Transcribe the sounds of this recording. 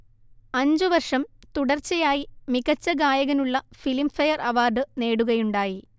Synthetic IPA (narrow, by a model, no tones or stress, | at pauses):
ɐɲd͡ʑɨʋɐrʂɐmt̪uɽɐrt͡ɕːɐjaːjimiɣɐt͡ɕːɐɡaːjɐɣɐnuɭːɐfilimfɐjɐrɐʋaːrɖɨne̞ːɽuɣɐjuɳɖaːji